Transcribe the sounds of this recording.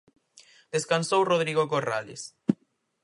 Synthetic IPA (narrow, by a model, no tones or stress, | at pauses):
d̪̥eskansowroðɾiɣokora̰lḛs